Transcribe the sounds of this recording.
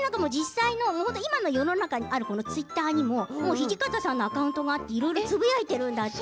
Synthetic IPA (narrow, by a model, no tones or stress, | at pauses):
nãŋkamo̞d͡ʑisːaino̞mohont̪o̞imano̞jo̞no̞nakaɲ̟iʔaɾɯ̟ko̞no̞t͡sɨit̪ːaːɲ̟imo̞mo̞ːçiʑikat̪asãnːo̞akaɯ̟nt̪o̞ɡaːt̪ːeiɾo̞iɾo̞t͡sɨbɯjait̪e̞ɾɯ̟̃nd̪at̪ː